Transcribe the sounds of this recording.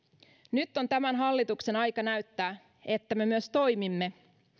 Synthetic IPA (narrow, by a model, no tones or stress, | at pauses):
nyt̪ːo̞nt̪æmænɦɑlːit̪ukse̞nɑjkɑnæɥt̪ːæː | e̞t̪ːæme̞myøst̪o̞jmimːe̞